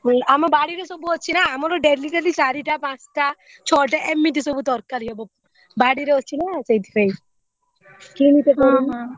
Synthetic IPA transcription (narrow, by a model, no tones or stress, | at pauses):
amɔbaɽiɾesɔbuɦɔtːt͡ʃʰinaːmɔɾɔɖeɾliʈaɾlisaɾiʈapãt͡ʃʈa | t͡ʃʰɔʈaʔemːit̪isɔbut̪ɔɾkaɾɔbɔ | baɽiɾeɦɔt͡ʃʰinasejt̪ipej | kinit̪ekɔɾu